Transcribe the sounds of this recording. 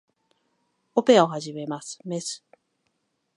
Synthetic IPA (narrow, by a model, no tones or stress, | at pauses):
opeaoɦaʑime̞masɨ̥me̞sɨ̥